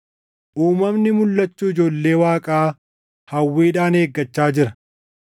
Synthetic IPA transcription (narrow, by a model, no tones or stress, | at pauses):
ʔuːmɐmnɪmʊlːɐt͡ʃːuːɪd͡ʒo̞ːlːe̞ːwaːkʼaː | hɐwːiːᶑaːneːɡːɐt͡ʃːaːd͡ʒɪɾɐ